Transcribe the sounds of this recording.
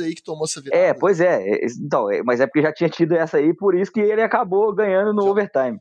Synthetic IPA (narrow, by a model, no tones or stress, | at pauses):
ɐikɪ̥t̪õmoɛsɐviɛpojzɛɛ̰ĩt̪ɐ̃w̃ɛ̰mɐzɛpʊɾkeʒat͡ʃĩɲɐt͡ʃid̪ʊɛsɐipoɾisʊ̥kɪelɪakaboɡɐ̃ɲɐ̃nd̪ʊnʊoveɾt̪ãj̃mɪ